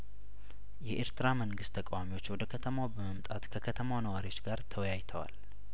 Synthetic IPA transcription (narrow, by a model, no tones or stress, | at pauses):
jɛʔeɾt̪ʰɨɾaməŋɡɨst̪ʰːəkʼawamiwo̞t͡ʃːwɔd̪əkʰət̪ʰəmawbəməmt̪ʼat̪kʰəkʰət̪ʰəmawnəwaɾiwo̞t͡ʃːɡaɾt̪ʰəwjajt̪ʰəwa̰l